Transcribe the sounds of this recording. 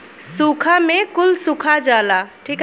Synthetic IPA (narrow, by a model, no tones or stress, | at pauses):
sukʰamekulsukʰad͡ʒalaʈʰik